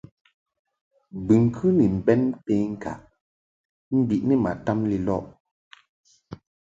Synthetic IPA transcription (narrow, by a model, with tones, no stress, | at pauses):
bɨ˨ŋ˨kʰʉ˦ni˨m̩˨bɛ˦npe˦ŋ̩˦˨ka̰˨ʔ | m̩˦bi˨ʔni˦ma̰˨ta˦mli˨lɔ̰˦ʔ